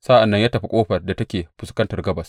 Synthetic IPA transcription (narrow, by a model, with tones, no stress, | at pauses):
sa˦ʔa˨nːɐ˦ɲjaː˦tɐ˨ɸi˦kʷʼoː˦ɸɐ˨rda˨tɐ˦kʲeː˨ɸʊ˨skɐ˦ntɐ˨rɡɐ˦bɐ˨s